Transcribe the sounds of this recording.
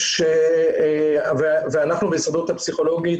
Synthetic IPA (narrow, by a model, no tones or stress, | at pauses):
ʃe | veveanaχnubejsʁad̪ut̪hapsiχo̞lo̞ɡi